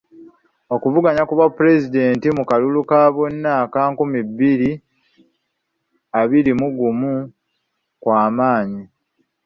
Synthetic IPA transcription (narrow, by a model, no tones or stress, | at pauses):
o̞kuvuɡaɲakuβapːuɾe̞zide̞ːntimukalulukaːβonːaːkaːŋkumibːiɾi | aβiɾimuɡumu | kwaːmaːɲi